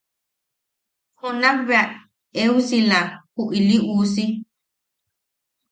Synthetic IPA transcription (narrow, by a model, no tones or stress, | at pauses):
hunaβeaʔ | eusilahuʔiliʔuːsi